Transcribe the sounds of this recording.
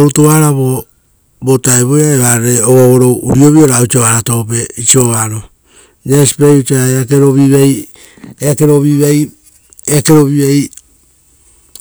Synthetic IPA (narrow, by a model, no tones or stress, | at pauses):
outoβaɾaβo | botaeβojaeβaɾeoβoβoɾouɾioβioɾaut͡ʃoβaɾatopeit͡ʃioβaɾo | nesi̥peut͡ʃaeakeɾoβiβej | eakeɾoβiβej | eakeɾoβiβej